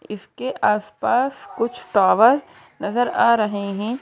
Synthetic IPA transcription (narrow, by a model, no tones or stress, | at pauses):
ɪskeʔaːspaːskʊt͡ʃʰt̪aːʋəɾ | nɐzəɾaːɾɐɦeɦɛ̃ː